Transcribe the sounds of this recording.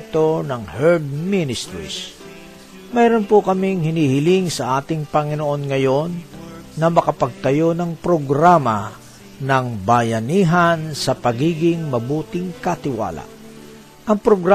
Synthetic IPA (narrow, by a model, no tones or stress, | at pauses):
t̪o̞nɐŋhɛɹd̪̚minɪst̪ɾḭs | mɛɾonpokɐmɪŋhɪnihɪlɪŋsɐʔaːt̪ɪŋpɐŋɪnoʔo̞nŋɐjo̞nːɐmɐkɐpɐɡ̚t̪ɐjo̞nɐŋpɾoɡɾaːma | nɐŋbɐjɐniːɦɐnsɐpɐɡiːɡɪŋmɐbuːt̪ɪŋkɐt̪ɪwa̰ːla̰ʔ | ʔɐŋpɾoɡɾa